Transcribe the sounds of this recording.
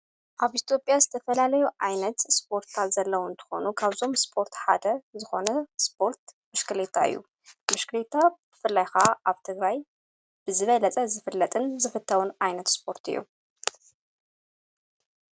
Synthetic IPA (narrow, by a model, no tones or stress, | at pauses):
ʔaβit̪ʰijo̞pʼjazɨt̪ʰɐfɐlalɐjuʕajnɐt̪spʰo̞ɾt̪ʰat̪zɐlːɐwuɨnt̪ʰɨ̥xo̞̰nukʰaβzo̞mspʰo̞ɾt̪ħa̰d̪ɐzɨxo̞nɐsp̚ʰo̞ɾt̪ | mɨʃkɨlet̪ʰːaɨ̰jːṵ | mɨʃkɨlet̪ʰːabɨfɨlːajxaʔaβt̪ʰɨɡɾaj | b̥ɨzɨβɐlɐt͡sʼɐzɨfɨlːɐt̪ʼɨnzɨfɨt̪ʰːɐwunʕajnɐt̪spʰo̞ɾt̪ʰɨ̰jːṵ